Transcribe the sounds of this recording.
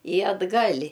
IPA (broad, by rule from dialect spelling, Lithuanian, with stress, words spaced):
ɪ ɐdˈɡɐlʲ